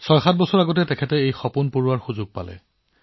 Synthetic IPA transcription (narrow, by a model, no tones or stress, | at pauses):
sɔjxat̚bɔsɔɹaɡɔt̬ɛtɛkʰɛtɛejxɔpunpuɹwaɹxuzʊɡ̚pa̰lɛ̰